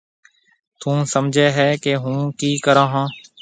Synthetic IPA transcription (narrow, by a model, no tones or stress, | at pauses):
t̪ʰũːsəmd͡ʒʱeːɦɛːkeːɦũːkiːkəɾãːɦãː